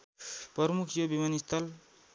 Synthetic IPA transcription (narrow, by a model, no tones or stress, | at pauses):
pʌɾmukʰjobimanist̪ʰʌl